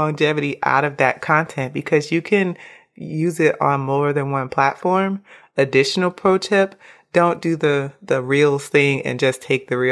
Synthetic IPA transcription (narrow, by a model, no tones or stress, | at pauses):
ɑ̃ŋd͡ʒɛvɨɾiʔa̰ʊɾʌvðɨt̚kʰɑ̃ntʰɛ̃nb̥ɨkʰʌzjɨkʰɨ̃n | jʉzɪɾn̩mɔɹðɨ̃nwʌ̃npʰl̥ætfɔɹm | ɨdɪʃn̩l̩ˠpʰɹ̥oʊtʰɛpd̥õʊ̃nd̥ɨðɨðɨɹilˠθɪ̃ŋɨ̰̃nd͡ʒʌstʰeɪk̚ðɨɹi